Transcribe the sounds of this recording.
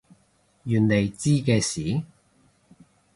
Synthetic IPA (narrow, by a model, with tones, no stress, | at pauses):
jyː˨˩nle˨˩jt͡siː˥kɛː˧siː˨˥˦